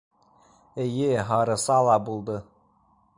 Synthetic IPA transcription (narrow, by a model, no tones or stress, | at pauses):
ejeɦɑɾɤsɑlˠɑbulˠd̪ɤ